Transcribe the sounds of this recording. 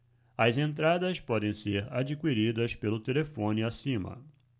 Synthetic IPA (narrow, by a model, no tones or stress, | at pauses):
ɐzẽnt̪ɾad̪ɐspɔd̪ẽj̃seɾa̰d͡ʒikwiɾid̪ɐspelʊt̪elefõnɪasĩmɐ̰